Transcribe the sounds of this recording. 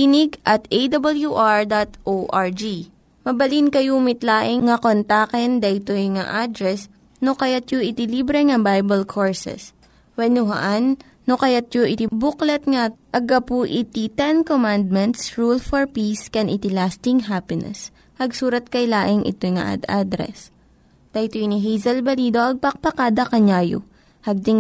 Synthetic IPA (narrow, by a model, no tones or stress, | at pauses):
kinɪɡʔɐt̪ejd̪ɐbɐljuʔaɹd̪at̪ʔoʔaɹd͡ʒi | mɐbɐlinkɐjumɪt̪laːʔɪŋŋɐkont̪akɛnd̪ɐʔɪt̪ojŋa̰ʔad̪ɾɛs | nokɐjat̪joʔɪt̪ɪlibɾɛŋɐbajbɐlkʰoɹsɛ̰s | wɛnʊɦɐ̰ʔanː | okɐjat̪̚joʔɪt̪ibuklɛt̪̚ŋaʔɐɡɐpuʔɪt̪it̪ɛnkomand̪̚mɛnt̪sɹulfɔɹpiskɛnʔɪt̪ɪlast̪ɪŋɦapɪnɛ̰s | hɐɡsuːɾɐt̪̚kɐjlaːʔɪŋʔɪ̰t̪ojŋa̰ʔa̰d̪ad̪ɾɛ̰s | d̪̥ɐʔjt̪ojniɦijzɐlbɐliːd̪o̞ʔɐɡ̚pɐk̚pɐkaːd̪ɐkɐɲaːjʊ̰ | hɐɡ̚d̪ɪŋ